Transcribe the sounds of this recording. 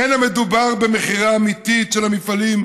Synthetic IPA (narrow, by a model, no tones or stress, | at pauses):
enamed̪ubaʁbemeχiʁaːmit̪itʃelhamifalim